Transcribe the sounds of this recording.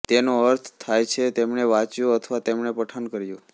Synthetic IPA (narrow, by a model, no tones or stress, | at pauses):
t̪enoəɾt̪ʰt̪ʰːajt͡ʃʰet̪emɳeʋat͡ʃjoət̪ʰʋat̪emɳepəʈʰankəɾjo